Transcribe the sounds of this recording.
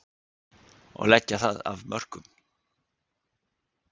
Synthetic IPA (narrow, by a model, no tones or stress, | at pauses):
ɔ̰ɣlɛcːaθaðavmœr̥kʏm